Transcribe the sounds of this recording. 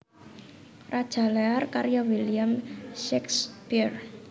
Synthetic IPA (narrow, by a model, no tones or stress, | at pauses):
rad̥ʒ̥a̤lɛarkarjawiliamʃɛkspir